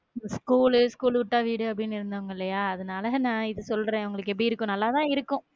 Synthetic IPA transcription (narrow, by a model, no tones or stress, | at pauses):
skuːlskuːlʋʊʈːaːʋiːɽɯɐp̬ːɐɽɪnːɪɾɯnd̪aːŋɡɐɪlːɐjaːɐðɐnaːlɐnãːɪðɯsɔlɾẽːɐʋɐŋɡɐɭɯkːɛp̬ːɽiɪɾɯkːʊ̃nɐlːaːt̪ãːɪɾɯkːʊ̃